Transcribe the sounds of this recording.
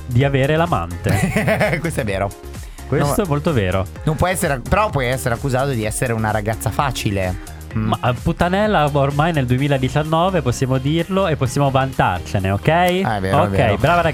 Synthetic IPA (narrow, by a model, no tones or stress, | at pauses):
d̪iaveːɾelama̰nt̪ekwest̪oɛvːeːɾo | kwest̪oɛmːolt̪oveːɾo̰ | nõmpwɔɛsːeɾeapeɾɔpːwɔjɛsːeɾeakːuzaːt̪od̪iɛsːeɾeunaɾaɡat̪sːafaːt͡ʃile | maput̪ːanɛlːaormajneld̪uemiːlaed̪it͡ʃanːɔːveposːjaːmod̪irloepːosːjaːmovant̪a̰rt͡ʃeneokɛjɛvḛːokːɛjbɾaːvaɾa